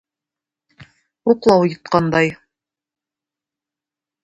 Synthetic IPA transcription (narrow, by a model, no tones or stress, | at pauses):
uqlˠɑwjŏt̪̚qɑnd̪ɑj